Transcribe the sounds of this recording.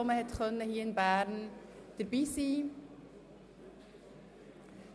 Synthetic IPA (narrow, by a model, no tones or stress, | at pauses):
ɔməhɛtxœnːəhiːɪnbæːɾnd̥əɾbiːsiː